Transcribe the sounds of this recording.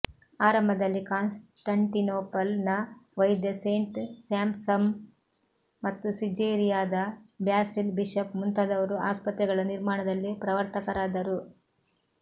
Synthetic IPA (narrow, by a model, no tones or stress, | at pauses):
aːɾɐmbʱɐd̪ɐlːikaːnsʈɐɳʈinoːpɐlnɐʋɐjd̪jɐseːɳʈsaːmsɐm | ɐt̪ːusid͡ʒeɾijaːd̪ɐbjaːsilbiʂɐpmunt̪ɐd̪ɐʋɐɾuaːspɐt̪ɾɛɡɐɭɐniɾmaːɳɐd̪ɐlːipɾɐʋɐɾt̪ɐkɐɾaːd̪ɐɾu